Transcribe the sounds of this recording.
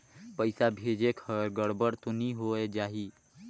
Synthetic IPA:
pəɪsabʱed͡ʒekʰəɾɡəɽbəɽt̪oniɦoed͡ʒaːɦi

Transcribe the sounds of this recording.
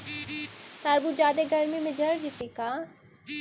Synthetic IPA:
t̪aɾbud͡ʒaːd̪eɡɐɾmimẽd͡ʒɐɽd͡ʒɪt̪ikaː

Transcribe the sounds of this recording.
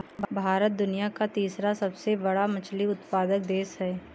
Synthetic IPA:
bbʱaːɾət̪̚d̪ʊnijakat̪iːsɾasɐbsebɐɽamɐt͡ʃliʊt̪paːd̪ək̚d̪eːsɦɛː

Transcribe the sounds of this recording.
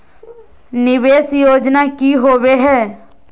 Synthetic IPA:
nɪʋeːsjoːd͡ʒnakiɦoːweɦɛː

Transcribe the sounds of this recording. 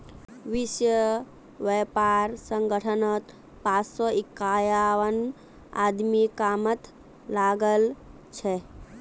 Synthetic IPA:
ʋisjə | ʋepaɾsə̃ŋɡəʈʰənət̪ | pat͡ssɔikːajaʋən | a̰d̪mikamət̪ | laɡəl | t͡ʃʰe

